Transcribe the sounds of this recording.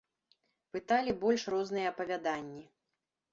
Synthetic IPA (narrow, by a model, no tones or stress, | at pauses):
pɨt̪alʲibɔlʲʂrɔznɨjɐɐpɐvʲad̪anʲːi